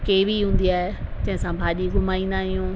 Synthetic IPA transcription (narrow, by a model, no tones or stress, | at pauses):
keːʋiɦũːn̆d̪iaːɦet͡ɕɐ̃ɦɪ̃sãbʱaːʄiɡʊmaːĩːn̆d̪aɦijũː